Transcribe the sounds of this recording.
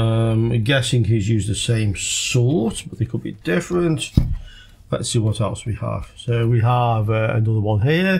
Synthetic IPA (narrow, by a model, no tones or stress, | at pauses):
ʌ̃mɡɛsɪ̃ŋɦizjʉːzðəsẽɪ̃msɔɹtb̥ʌʔðeɪkʰəd̚bḭdɪfɹə̃nʔ | ðɛ̰tsiwɒtɛlˠswiə̰v̥soʊwiəvəə̰nʊðəwʌ̃nɦiə